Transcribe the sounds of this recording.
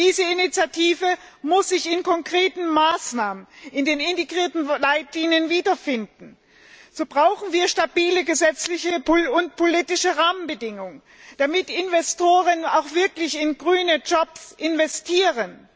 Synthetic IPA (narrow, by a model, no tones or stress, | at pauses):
d̥iːzəɪnit͡sjatʰiːvə | mʊsz̥ɪçɪnkʰɔŋkʁ̥eːtn̩maːsnaːmənɪndeːnɪnteɡʁiːɐtn̩laɪtliːnjənviːdɐfɪndn̩ | z̥oːbʁaʊxn̩viːɐʃtabiːləɡəzɛt͡slɪçəpʊnt̚pʰoliːtɪʃəʁaːmənbədɪŋʊŋ | d̥amɪtɪnvɛstʰoːʁ̞ənaʊxv̥ɪɐklɪçɪnɡʁyːnəd͡ʒɔpsʔɪnvɛstʰiːʁən